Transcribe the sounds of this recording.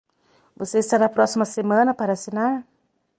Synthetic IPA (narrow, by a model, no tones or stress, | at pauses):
voseist̪aɾapɾɔsimɐsemanɐpaɾasenaɾ